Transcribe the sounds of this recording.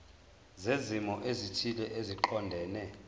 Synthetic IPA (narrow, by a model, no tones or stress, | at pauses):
zezimɔʔezitʰilɛʔeziǃɔndʱɛːnɛ